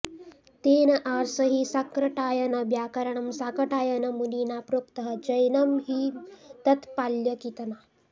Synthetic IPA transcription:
t̪eːnɐʔaːɾsɐɦisakɾɐʈaːjɐnɐbjaːkɐɾɐɳɐmsakɐʈaːjɐnɐmuniːnaːpɾukt̪ɐɦɐ̆d͡ʒɐjnɐmɦit̪ɐt̪paːljɐkit̪ɐnaː

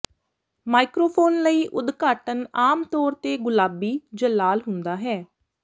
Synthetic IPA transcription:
maːikɾoːpʰoːnləiːʔʊd̪ɡaːʈənaːmt̪ɔːɾt̪eːɡʊlaːbiːd͡ʒəlːaːlɦʊnd̪aːɦɛː

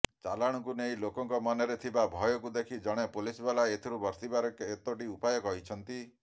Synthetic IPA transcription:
t͡ʃalaɽ̃ɔŋkuneilokɔŋkɔmɔneɾet̪ʰibabʱɔjɔkud̪ekʰid͡ʒɔɽ̃epulisbelaet̪ʰiɾubɔɾsibaɾɔket̪ɔʈiupajɔkɔɦit͡ʃʰɔnt̪i

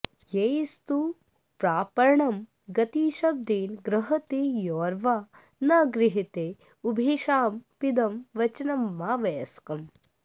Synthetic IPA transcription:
jejst̪u | pɾaːpɐɾɳɐm | ɡɐt̪iːʃɐb̚d̪iːnɡɾɐɦɐt̪ijɔːɾʋaː | nɐɡɾɪɦit̪eː | ubʱiʃaːmpid̪ɐmʋɐt͡ʃɐnɐmːaːʋɐjɐskɐm

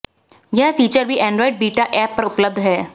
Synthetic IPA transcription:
jɐɦfiːt͡ʃəɾbʱiʔɛ̃ːɳɖɾɔːɪɖ̚biːʈaʔɛːpːɐɾʊpləb̚d̪ɦɛː

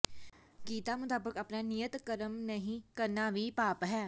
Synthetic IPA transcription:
kiːt̪aːmʊt̪aːbəkəpnaːnijət̪kəɾəmnəɦĩːkəɾnaːʋiːpaːpɦɛː

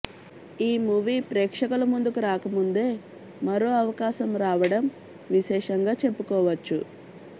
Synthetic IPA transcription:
iːmuːʋiːpɾɛːkʂɐkulɐmund̪ukuɾaːkɐmund̪e̞ː | mɐɾo̞ːɐʋɐkaːʃɐmɾaːʋɐɽɐm | ʋiʃɛːʂɐŋɡaːt͡ʃe̞pːukɔːʋɐt͡ʃːu

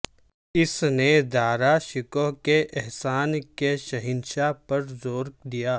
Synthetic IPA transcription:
ɪsned̪aːɾaʃɪkɔɦkeʔɛɦsaːnkeʃɐɦɪnʃapɐɾzoːɾɡ̚d̪ijaː

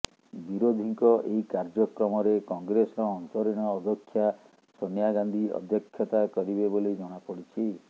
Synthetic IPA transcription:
biɾod̪ʱiŋkɔʔeikaɾd͡ʒɔkɾɔmɔɾekɔŋɡɾesɔɾɔːnt̪ɔɾiɽ̃ɔːd̪ʱɔkʰːja | sonjaɡand̪ʱiɔ̰d̪jɔkʰjɔt̪akɔɾibeboled͡ʒɔɽ̃apɔɽit͡ʃʰi

